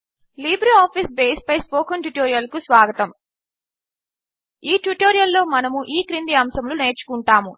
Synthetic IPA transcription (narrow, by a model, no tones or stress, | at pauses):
liːbɾiaːpʰisbeːspɐjspoːkɐnʈuʈoːɾijɐlkusʋaːɡɐt̪ɐm | iːʈuʈoːɾijɐlːo̞ːmɐnɐmuʔiːkɾind̪iɐmsɐmlune̞ːɾt͡ʃu̥kuɳʈaːmu